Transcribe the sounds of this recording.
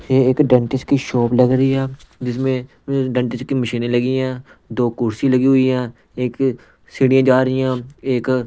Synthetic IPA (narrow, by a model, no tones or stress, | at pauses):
eːeːkɖə̃ɳʈɪskiʃoːpləɡɾəiɦɛːd͡ʒɪsmẽː | ɖə̃ɳʈɪskiməʃiːnẽləɡijãː | d̪oːkʊɾsĩləɡiɦʊijãː | eːk | sɪɽijãːd͡ʒaːɾəijãːeːk